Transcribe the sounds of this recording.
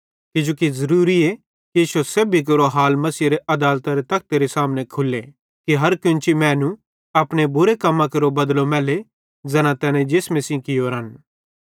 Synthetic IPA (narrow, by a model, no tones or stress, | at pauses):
kɪd͡ʒoːkizɐɾuːɾie | kiiːʃoseːbʱik̬ɐɾoɦaːlmɐsiːɾeʔɐd̪aːlt̪aɾet̪ɐk̚ʰt̪eɾesaːmnekʰʊlːe | kiɦɐɾkɪ̃nt͡ʃimɛ̃ːnũ | ɐːpɽ̃ebʊɾekɐmːãkeɾobɐd̪lomɛːle | d͡zɛːnãt̪ɛːnẽd͡ʒeːsmẽsĩkɪjoɾən